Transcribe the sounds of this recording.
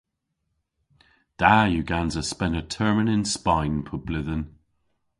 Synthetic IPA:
d̥ajuɡanzəspɛnətʰɜɹmənɪ̃nspaɪnpʰʊb̥lɪðən

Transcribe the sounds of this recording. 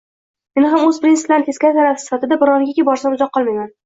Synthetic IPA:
me̞nɪɦamɵzpɪɾinsɪ̥plant̪eskʲat̪ʰaɾafɪsɪ̥fat̪ɪd̪abɪɾɒnɪɡʲakʲebɒɾsamʊzɒqːɒlˠmajman

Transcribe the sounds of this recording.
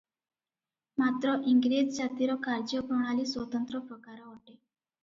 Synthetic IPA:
mat̪ɾɔʔiŋɡɾiːd͡zd͡ʑat̪iɾɔkʰaɾd͡ʑjəkuɽ̃ɳ̃aliːsʋət̪ənt̪ɾəpɾəkaɾaɦoʈe

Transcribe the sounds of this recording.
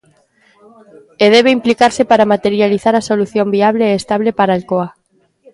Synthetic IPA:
eð̞ɛβ̞eimplikaɾsepaɾamat̪eɾjaliθaɾasoluθjombiaβleːst̪aβ̞lepaɾalkoa

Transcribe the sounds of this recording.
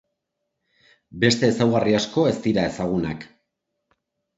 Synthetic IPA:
be̞st̪e̞ːsawɣariasko̞e̞st̪iɾae̞saɣ̞una̰k

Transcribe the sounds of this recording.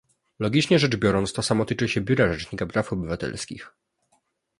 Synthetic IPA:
lɔɡʲit͡ʂɲɛʐɛd͡ʐbʲjɔɾɔnt̪st̪ɔsamɔt̪ɘt͡ʂɘɕɛbʲjuɾaʐɛt͡ʂɲikapɾafɔbɘvat̪ɛ̰lskʲḭx

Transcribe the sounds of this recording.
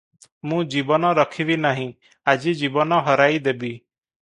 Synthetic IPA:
mũːd͡ʒiːbɔnãːɾəkʰiːʋiːnaːɦĩː | əd͡ʒiːd͡ʒiːbɔnãːɦəɾaːiːd̪eːbiː

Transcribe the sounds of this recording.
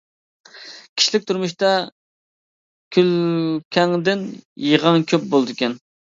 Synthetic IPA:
kʲʰi̥ʃlɪk̚ʲt̪ʰuɾmuʃt̪ɑ | kʲʰylkʲʰɛŋd̪ɪnjəʁɑŋkʲʰøp̚bolˠd̪ɪkʲʰɛn

